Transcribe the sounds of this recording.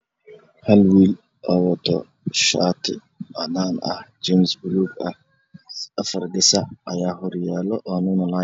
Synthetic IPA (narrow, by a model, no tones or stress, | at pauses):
hɐlwiːl | ʔɐwɔt̪ʰɔ̰ | ʃaːt̪ʰɪ̰ | ɐnaːnɐ̰ht͡ʃɛmsbʊluɡɐh | ɐfɐrdɪsɐʕɐjaːɦɔrjaːlɔʔɔːnʊnɐlaː